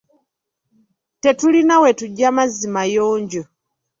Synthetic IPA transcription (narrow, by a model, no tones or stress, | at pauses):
tetulinawetuɟːamazimajoːɲɟo